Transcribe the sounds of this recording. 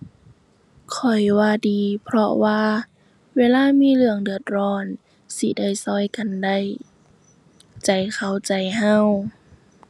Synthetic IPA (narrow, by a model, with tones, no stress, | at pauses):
kʰɔ˨˩jwaː˧diː˨˩pʰɾɔ˧waː˧ | weː˧˥˨laː˧˥˧miː˧˥˨lɯ˧˨əŋdɯ˨˩ət̪̚ɾɔː˧˩n | si˧da˥˩jsɔː˧˩jka˨nda˧˩j | t͡ɕa˨˩jkʰa˧˩wt͡ɕa˨˩jɦa˧˥˨w